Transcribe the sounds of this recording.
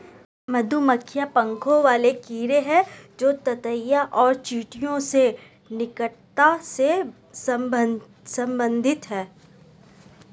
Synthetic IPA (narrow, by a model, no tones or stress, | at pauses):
mɐd̪ʱumɐkʰːjapɐ̃ŋkʰõʋaːlekiːɾeɦɛd͡ʒoːt̪ɐt̪əjaʔɔːɾt͡ʃiːʈijõse | nɪkəʈt̪ase | s | sɐ̃mbə̃nd̪ʱɪt̪ɦɛː